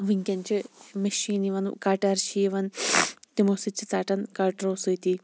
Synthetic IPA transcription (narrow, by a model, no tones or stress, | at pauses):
ʋiŋkʲɐnt͡ʃɨmeʃiːniʋɐn̰kaːʈɐɾt͡ʃʰiʋɐnt̪imosit͡ʃːit͡saːʈɐnkaʈɾoːsɨt̪i